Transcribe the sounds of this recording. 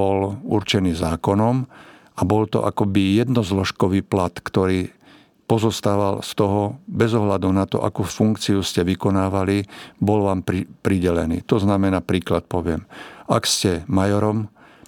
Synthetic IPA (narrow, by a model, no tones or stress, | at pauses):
ɔlṵɾt͡ʃɛniːzaːkɔnɔm | ʔabɔlt̪ɔ̰ʔa̰kɔbijɛd̪nɔzlɔʃkɔʋiːplat̪kt̪ɔɾiː | pɔzɔst̪aːʋalst̪ɔɦɔbɛzɔɦlad̪unat̪ɔ̰ʔa̰kuːfuŋkt͡siuscɛʋikɔnaːʋalibɔlʋaːmpɾipɾiɟɛlɛnḭːt̪ɔznamɛnaːpɾiːklat̪̚pɔʋɪɛma̰kscɛmajɔɾɔm